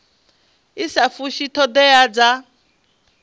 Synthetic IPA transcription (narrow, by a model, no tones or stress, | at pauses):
isafuʃitʰɔd̪ɛad͡za